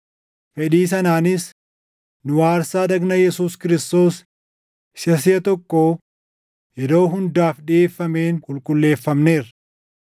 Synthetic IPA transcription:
fɛᶑiːs̬ɐnaːnɪs | nʊwaːɾsaːd̪ɐɡnɐjɛsuːskɪɾɪst̪o̞ːs | ɪʃɐs̬ɪɐt̪ɔkːoː | jɛd̪o̞ːɦʊnd̪aːfᶑɪʔeːfːɐme̞ːnkʊlkʼʊlːe̞ːfːɐmne̞ːrɐ

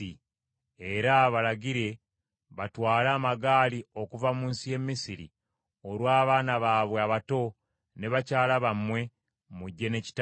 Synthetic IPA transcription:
i | e̞ɾaβalaɟiɾe̞ | βatwaːlaːmaɡaːlio̞kuvamuːnsije̞mːisiɾḭ | o̞lwaːβaːnaβaːβwe̞aβato̞ | ne̞βacaːlaβamwe̞ | muɟːe̞ne̞ci̥t

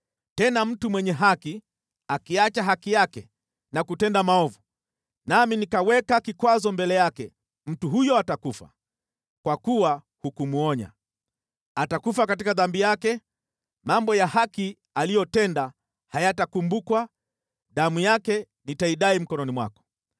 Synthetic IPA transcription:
tɛnam̩tumwɛɲɛɦaki | akiat͡ʃaɦakijakɛ | nakutɛndamaɔvu | naminikawɛkakikwazɔmbɛlɛjakɛ | m̩tuɦujɔatakufa̰ | kwakuwa | hukumuɔɲa̰ | atakufakatikaðambijakɛ | mambɔjahaki | alijɔtɛnda | hajatakumbukwa | ɗamujakɛ | nitaiɗaim̩kɔnɔnimwa̰kɔ̥

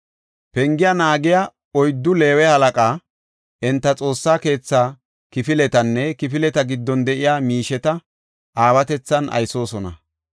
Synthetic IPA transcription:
pɛŋɡɪjanaːɡɪja | ɔjd̪ːʊle̞ːwɛhɐlɐkʼaː | ʔɛnt̪ːɐt͡sʼo̞ːsːaːke̞ːt͡sːaː | kɪfɪlɛt̪ɐnːɛkɪfɪlɛt̪ɐɡɪd̪ːɔnd̪ɛʔɪjaːmiːʃɛt̪ɐ | ʔaːwɐt̪ɛt͡sːɐnʔɐ̰jso̞ːsɔnɐ̰

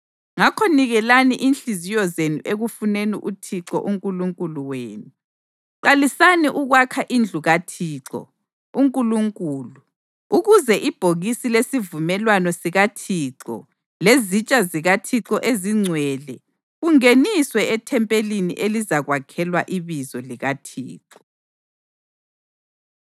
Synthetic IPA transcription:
ŋakʰɔniɣɛlaniʔinɬizijɔzenuʔeɣufunenḭʔutʰiǁɔ̰ʔuŋkʼuluŋkʼuluweːnu | ǃalisaniʔuɣwakʰaʔind͡ɮʱuɣatʰiːǁɔ̰ | uŋkʼuluŋkʼuːlu | uɣuzɛʔib̥ʱoɣisilesivumɛlwanɔsiɣatʰiːǁɔ̰ | lezit͡ʃʼaziɣatʰiǁɔʔeziŋ͡ǀʱwɛːlɛ | uŋeniswɛɛtʰɛmpʼelinḭʔelizaɣwakʰɛlwa̰ʔiβizɔliɣatʰḭːǁɔ̥

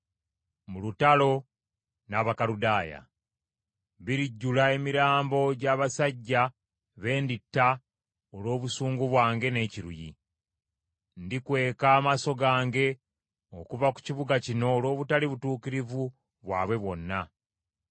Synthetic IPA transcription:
mulutalo̞ | naːβakaɾudaːja̰ | βiɾiɟːulae̞miɾaːmbo̞ɟaːβasaɟːa | βe̞ːnditːa | olo̞ːβusuːŋɡuβwaːŋɡe̞ne̞ːciɾṵjḭ | ndikwe̞ːkaːmaso̞ɡaːŋɡe̞ | okuvaku̥ciβuɡacino̞ːlo̞ːβutaliβutuːkiɾivu | βwaːβwe̞βwo̞nːa

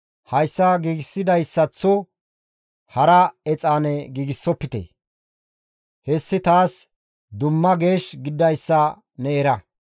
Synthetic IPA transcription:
hɐjsːɐɡiːɡɪsːɪd̪ɐjsːɐt͡sːɔ | hɐɾɐɛt͡sʼaːnɛɡiːɡɪsːɔpːɪt̪ḛ | hɛsːɪt̪aːs | d̪ʊmːɐɡe̞ːʃɡɪd̪ːɐjsːɐ | nɛːɾɐ

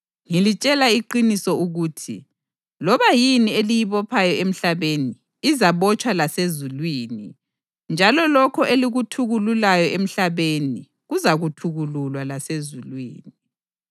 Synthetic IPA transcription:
ŋilit͡ʃʼɛlaiǃinisɔuɣuːtʰi | lɔβajinielijiβɔpʰajɔem̩ɬaβeniː | zaβɔt͡ʃʼwalasezulwiːni | nd͡ʒʱalɔlɔkʰɔʔeliɣutʰuɣululajɔʔem̩ɬaβeni | ɣuzaɣutʰuɣululwalasezulwḭːni

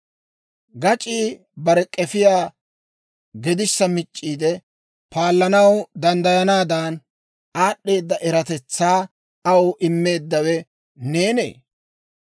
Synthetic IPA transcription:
ɡɐt͡ʃʼiː | bɐɾɛkʼɛfɪjaː | ɡɛd̪ɪsːɐmɪt͡ʃʼːiːd̪ɛ | paːlːɐnɐwd̪ɐnd̪ɐjɐnaːd̪aːn | aːɗːe̞ːd̪ːɐʔɛɾɐt̪ɛt͡sːaː | ɐwʔɪmːe̞ːd̪ːɐwɛ | ne̞ːne̞̰ː

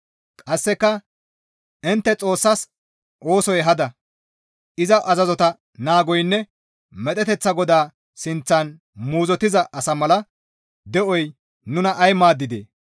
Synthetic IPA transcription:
kʼɐsːɛkːɐ | ɪnt̪ːɛt͡sʼo̞ːsːɐs | ʔo̞ːsɔjɦɐd̪ɐ | ɪzɐʔɐzɐzɔt̪ɐ | naːɡɔjnːɛ | mɛt̪ʼɛt̪ɛt͡sːɐɡɔd̪aː | sɪnt͡sːɐn | muːzɔt̪ɪzɐʔɐsɐmɐlɐ | d̪ɛʔɔj | nʊnɐʔɐjmaːd̪ːɪd̪ḛː

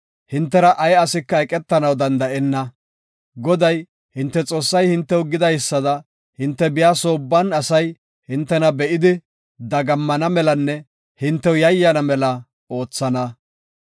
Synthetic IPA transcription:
hɪnt̪ːɛɾɐʔɐjɐsɪkːɐɛkʼɛt̪ːɐnɐwd̪ɐnd̪ɐʔɛnːɐ | ɡɔd̪ɐj | hɪnt̪ːɛt͡sʼo̞ːsːɐjhɪnt̪ːɛwʊɡɪd̪ɐjsːɐd̪ɐ | hɪnt̪ːɛbɪjaːso̞ːbːɐnɐsɐj | hɪnt̪ːɛnɐbɛʔɪd̪ɪ | d̪ɐɡɐmːɐnɐmɛlɐnːɛ | hɪnt̪ːɛwjɐjːɐnɐmɛlɐ | o̞ːt͡sːɐnɐ

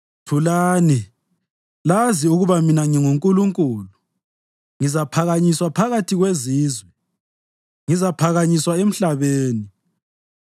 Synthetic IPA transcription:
tʰulaːni | laziuɣuβaminaŋiŋuŋkʼuluŋkʼuːlu | ŋizapʰaɣaɲiswapʰaɣatʰiɣweziːzwɛ | ŋizapʰaɣaɲiswaem̩ɬaβeːni

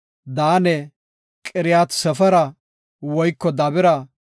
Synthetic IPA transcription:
d̪aːnɛ | kʼɪɾɪjaːt̪sɛfɐɾɐ | wɔjkːɔd̪ɐbɪɾɐ

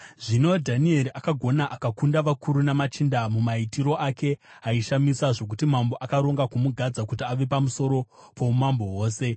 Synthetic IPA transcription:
ʐino̞dʱanie̞ɾiʔakaɡʱo̞naʔakakundaʋakʰuɾunamat͡ʃindamumaitiɾo̞ʔake̞ | ɦaiʃamisaʐo̞k̬utimambo̞ʔakaɾo̞ŋɡakumuɡʱad͡zakutiaʋe̞pamuso̞ɾo̞ | po̞mambo̞wo̞ːse̞

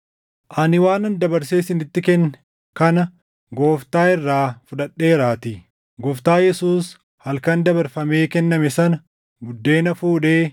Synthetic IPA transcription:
ʔɐnɪwaːnɐnd̪ɐbɐɾse̞ːsɪnɪt̪ːɪkɛn | kɐnɐ | ɡo̞ːft̪aːɪrːaːfʊᶑɐɗːe̞ːɾaːt̪iː | ɡɔft̪aːjɛsuːs | hɐlkɐnd̪ɐβɐɾfɐme̞ːkɛnːɐmɛsɐnɐ | ɡʊd̪ːe̞ːnɐfuːᶑe̞ː

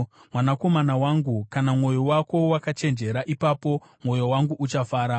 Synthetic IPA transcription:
mwanako̞manawaŋɡukanamŋo̞jowako̞wakat͡ʃe̞nd͡ʒe̞ɾaʔipapo̞ | mwo̞jowaŋɡuʔut͡ʃafaːɾa

